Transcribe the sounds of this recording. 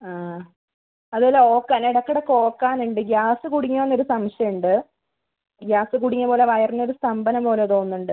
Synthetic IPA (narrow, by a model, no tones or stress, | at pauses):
aː | ɐðɨolːao̞ːkːaːniɽɐkːɐɽekːo̞ːkːaːnuɳɖɨɡjaːsɨkuɽiɲːuʋɐnːo̞ɾusɐmɕjɐuɳɖɨ | ɡjaːsɨkuɽiɲːɐpo̞ːle̞ʋɐjɐrnːo̞ɾust̪ɐmbɐnɐmpo̞ːlet̪o̞ːnːuɳɖɨ